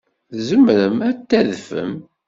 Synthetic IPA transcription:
zəmɾəmæt̪ːæðfə̰m

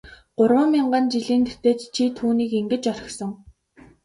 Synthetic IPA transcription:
ɢ̥ʊrwə̆mmiɴɢănt͡ɕiɮiːnt̪e̥t̪eːt̪t͡ɕʰit̪ʰuːniːkeŋɡɘ̆t͡ɕɔrʲɪ̥̆xsɞ̆ŋ

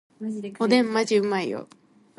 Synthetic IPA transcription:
od̪ẽmːad͡ʑɯmaijo̰

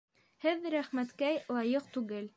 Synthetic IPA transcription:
hɘðɾæχmæt̪kæjlˠɑjɤqt̪ʉɡɘl

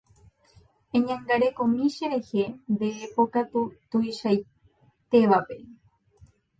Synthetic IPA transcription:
ẽɲãŋɡaɾekomĩʃeɾe̞he̞nd̪eːpokat̪ut̪uiʃaj | t̪e̞ʋape̞

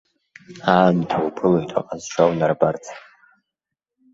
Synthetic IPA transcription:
aːmtʰawpʰɨlaitʼa̰qʼazʈ͡ʂʰawnarbart͡sʰ

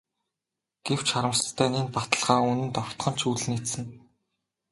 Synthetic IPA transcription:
ɡ̥ew̥t͡ɕχaɾə̆mst̪ʰːæːniːnpat̪ə̆ɮʁaːunɘ̆nt̪ɔw̥t̪χɞ̆n̥t͡ɕʰuɮnit̪sɘ̆ŋ

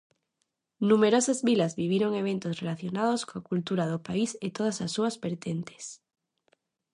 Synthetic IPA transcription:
numeɾosazβilazβiβjeɾoŋeβ̞ẽnt̪osrelaθjonaðoskoakult̪uɾaðopaiset̪oð̞asasːuazpeɾt̪ent̪e̥s

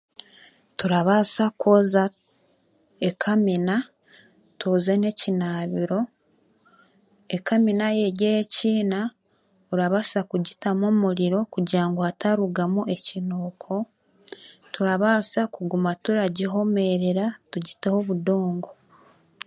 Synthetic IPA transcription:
tuɾaβasakoza | ekʰamina | tʰoze̞ne̞cinaːβiɾo̞ | ekaminaje̞ɟejeciːna | uɾaβasakuɟitamomuɾiɾo̞kuɟiɾaŋɡoataɾuɡamuʔe̞cinoːkʰo̞ | tuɾaβaːsakuɡumatuɾaɟiɦo̞me̞ɾe̞ɾatuɟite̞ho̞βudo̞ːŋɡo̞

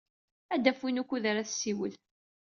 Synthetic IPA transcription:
æd̪æfinukʷːuðaɾæθsːiwəl

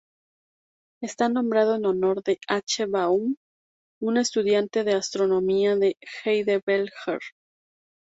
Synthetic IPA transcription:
e̞st̪anõ̞mbɾaðo̞eno̞no̞ɾðe̞at͡ʃeβaum | une̞st̪uðjant̪e̞ðeast̪ɾo̞no̞miaðe̞xejðeβelxeɾ

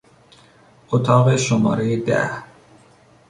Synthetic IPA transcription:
ʔot̪ʰɒːɣeʃomɒ̰ːɾejed̪æ̰h

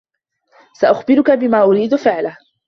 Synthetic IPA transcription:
saʔʊxbɪɾʊkabɪmaːʔʊɾiːd̪fɪʕlah

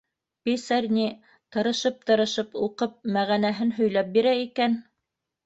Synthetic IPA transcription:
pʲesærʲnʲi | t̪ɤ̆ɾɤ̆ʃɤp̚t̪ɤ̆ɾɤ̆ʃɤpuqɤp̚mæʁænæɦɘnɦɵ̆jlæp̚biɾæikæn

